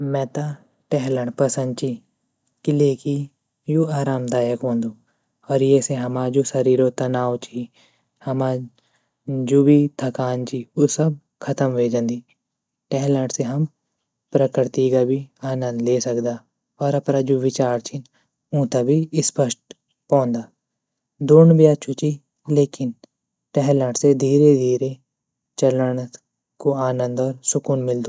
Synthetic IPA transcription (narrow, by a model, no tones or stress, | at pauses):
mɛ̃ːt̪a | ʈɛɦləɳʈpɐsə̃nd̪̚t͡ʃi | kileːki | joːaːɾaːmd̪aːjəkɦõːnd̪uː | ɔːɾjɛseɦɐmad͡ʒoːsɐɾiːɾot̪ɐnaːwt͡ʃi | hɐma | d͡ʒoːbʱid̪ʰʱɐkaːnt͡ʃiːosɐb̚ | kʰɐt̪əmʋeːd͡ʒə̃nd̪iː | ʈɛːɦləɳɖseɦɐm | pɾəkɪɾt̪iɡabʱiːaːnə̃nd̪leːsəkd̪aː | ɔːɾəpnaːd͡ʒoːʋɪt͡ʃaːɾt͡ʃʰɪn | ʊ̃ːt̪abʱiːɪspəʃʈ̚ | pɔ̃ːnd̪aː | d̪oːnbɪjaːt͡ʃʰʊt͡ʃiː | leːkɪn | ʈɛɦlãːʈsed̪ʱiːɾed̪ʱiːɾe | t͡ʃələɳ | koaːnə̃nd̪ɔːɾsʊkuːnmɪld̪uː